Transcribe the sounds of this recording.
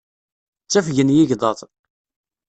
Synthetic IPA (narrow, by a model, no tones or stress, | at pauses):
t͡sːæfʝənjiʝd̪ˤɑt̪ˤ